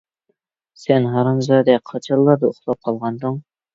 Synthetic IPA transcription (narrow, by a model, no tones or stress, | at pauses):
sɛnɦɑɾɑnzɑd̪ɛqʰɑt͡ʃʰɑlˠːɑɾd̪ɑʊχlˠɑp̚qʰɑlˠʁɑnd̪ɨŋ